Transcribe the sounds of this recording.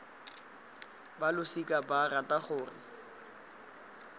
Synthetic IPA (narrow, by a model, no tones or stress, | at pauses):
balʊsikʼabarataχʊːrɪ̰